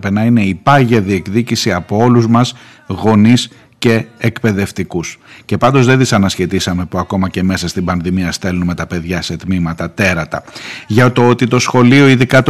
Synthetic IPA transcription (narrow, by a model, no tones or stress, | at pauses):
pe̞nɐine̞ipɐʝɐðie̞kðicisiɐpoo̞luzmɐz | ɣo̞nis | ce̞ːkpe̞ðe̞ft̪ikusce̞pɐnd̪o̞zðe̞ðisɐnɐsçet̪isɐme̞puɐko̞mɐce̞me̞sɐst̪ibɐnðimiɐst̪e̞lunme̞t̪ɐpe̞ðʝɐse̞t̪mimɐt̪ɐt̪e̞ɾɐt̪ɐ̰ʝɐt̪o̞o̞t̪it̪o̞sxo̞lio̞iðikɐt̪